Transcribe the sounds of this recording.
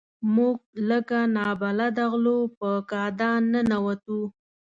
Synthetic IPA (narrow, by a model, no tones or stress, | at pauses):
muɡ̚ləkanɑbalad̪aɣlopəkɑd̪ɑnənawat̪u